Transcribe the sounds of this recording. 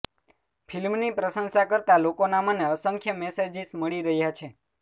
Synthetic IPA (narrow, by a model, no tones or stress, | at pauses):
fʰilmnipɾəsənsakəɾt̪alokonaməneəsəŋkʰjəmɛsed͡ʒisməɭiɾəɦjat͡ʃʰe